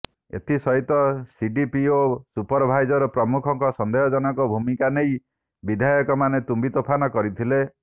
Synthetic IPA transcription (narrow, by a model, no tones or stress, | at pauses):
ḛt̪ʰisɔɦit̪ɔsiɖipiosupɔɾbʱajd͡ʒɔɾɔpɾɔmukʰɔŋkɔsɔnd̪ejɔd͡ʒɔnɔkɔbʱumikanej | bid̪ʱajɔkɔmanet̪umbit̪opʰanɔkɔɾit̪ʰile